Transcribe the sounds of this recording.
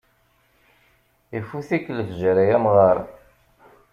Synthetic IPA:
ifuθikːləfʒəɾæjæmʁɑɾˤ

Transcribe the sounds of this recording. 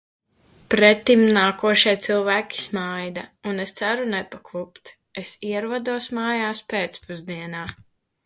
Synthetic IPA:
pɾɛt̪ːimnaːkuɔʃiɛt̪silˠvæːkʲi̥smajd̪aunest̪saɾunɛpaklˠupt̪ | esiɛɾuɔd̪uɔsmaːjaːspeːt̪spuzd̪iɛnaː

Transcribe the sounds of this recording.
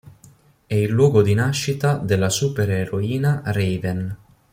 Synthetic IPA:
ɛilːwɔːɡod̪inaʃːit̪ad̪elːasupeɾeɾoiːnarɛjvɛn

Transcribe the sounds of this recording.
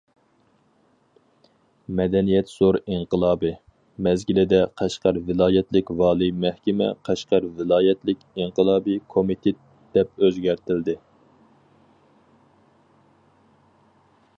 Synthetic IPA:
mɛd̪ɛnijɛt̪z̥oɾiɴqəlˠɑːbɨ | mɛzɡʲilɪd̪ɛqʰæʃqɑɾvɪlˠɑːjɛt̪lɪkʲvɑːlˠijmɛhkʲɛmɛ̰qʰæʃqɑɾvɪlˠɑːjɛt̪lɪkʲiɴqəlˠɑːbɨkʰomit̪ʰet̪ | d̪̥ɛp̚øzɡʲæɾt̪ʰɪld̪ɪ

